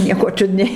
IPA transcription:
ˈnʲiɛkoː ˈt͡ʃʲʊdʲnʲɛɪ

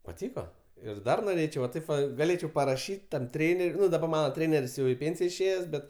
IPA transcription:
pɐˈtʲiːkoː ɪr ˈdɐr noːˈrʲeːt͡ʃʲɛʊ ʋɐ ˈtɐɪp ʋɐ ɡɐˈlʲeːt͡ʃʲɛʊ pɐrɐˈʃʲiːtʲ tɐm ˈtʲrʲeːnʲɛrʲ ˈnʊ dɐˈbɐr ˈmɑːnɐ ˈtʲrʲeːnʲɛrʲsʲ jɛʊ ɪ ˈpʲeːnʲsʲɪjɛ ɪʃʲˈeːjɛs ˈbʲɛt

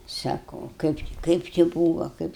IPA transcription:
ˈsɑːkoː ˈkɐɪp t͡ʃʲɪ ˈkɐɪp t͡ʃʲɪ ˈbuːʋɐ ˈkɐɪp

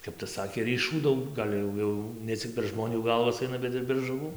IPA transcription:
ˈkɐp tɐs ˈsɑːkʲeː rʲiːˈʃuː ˈdɐʊk ˈɡɐlʲ jɛʊ ˈjɛʊ nʲɛ ˈt͡sʲɪk pʲɛr ˈʒmoːnʲuː ˈɡɐlˠʋɐs ˈɐɪnɐ ˈbʲɛt ɪr pʲɛr ʒʊˈʋuː

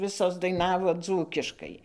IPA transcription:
ˈʋʲɪsoːs dɐɪˈnɑːʋoː ˈd͡zuːkʲɪʃkɐɪ

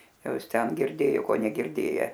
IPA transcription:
ˈjɛʊ ˈɪs ˈtʲɛn ɡʲɪrʲˈdʲeːjoː ˈkoː nʲɛɡʲɪrʲˈdʲeːjɛ

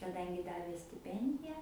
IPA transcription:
kɐˈdɐŋʲɡʲɪ ˈdɑːʋʲeː sʲtʲɪˈpʲɛnʲdʲɪjɛ

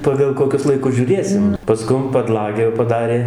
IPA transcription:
ˌpɑːɡɐlˠ koːˈkʲʊs lˠɐɪˈkʊs ʒʲuːˈrʲeːsʲɪm pɐˈskʊm pɐˈdlˠɑːɡʲæː jɛʊ pɐˈdɑːrʲeː

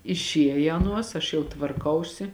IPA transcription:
ɪʃʲˈiɛjɛ ˈɑːˌnuɔs ɐʃ jɛʊ tʋɐrˈkɐʊsʲɪ

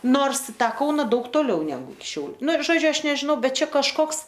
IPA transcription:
ˈnoːrs ɪ ˈtɑː ˈkɐʊnɐ ˈdɐʊk toːˈlʲɛʊ nʲɛˈɡʊ ɪkʲɪ ˈʃʲɛʊlʲʊ ˈnʊ ʒoːˈd͡ʒʲʊ ˈɐʃ nʲɛʒʲɪˈnɐʊ ˈbʲɛt ˈt͡ʃʲɛ kɐʃˈkoːks

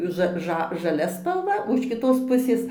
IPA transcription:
ˈʒɐ ˈʒɐ ʒɐˈlʲɛ spɐlˠˈʋɐ oː ɪʃ kʲɪˈtoːs ˈpʊsʲeːs

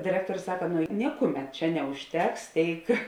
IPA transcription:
dʲɪˈrʲæːktoːrʲʊs ˈsɑːkɐ ˈnʊ ˈnʲɪkʊˌmʲɛt ˈt͡ʃʲɛ nʲɛʊʃʲˈtʲɛks ˈtʲeːɪk

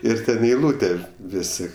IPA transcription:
ˈɪr ˈtʲɛn ɪ ɛɪˈlˠuːtʲɛ ˈʋʲɪsʲɪ

